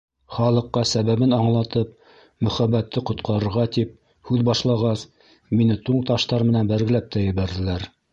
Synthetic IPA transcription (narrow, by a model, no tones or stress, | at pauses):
χɑlˠɤ̆qːɑsæβæβɘnɑɴlˠɑt̪ɤp | mɵ̆χæbæt̪ʰːɘqŏt̪̚qɑɾɤ̆ɾʁɑt̪ip̚ | hʉðbɑʃlˠɑʁɑs | minɘt̪uɴt̪ɑʃt̪ɑɾmɘ̆nænbæɾɡɘ̆læp̚t̪æjɘ̆βæɾðɘ̆læɾ